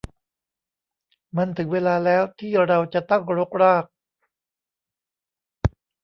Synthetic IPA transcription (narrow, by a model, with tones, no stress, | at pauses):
ma˧nt̪ʰɯ˩˦ŋweː˧laː˧lɛː˦˥wt̪ʰiː˥˩ɾa˧wt͡ɕa˨˩t̪a˥˩ŋɾo˦˥k̚ɾaː˥˩k̚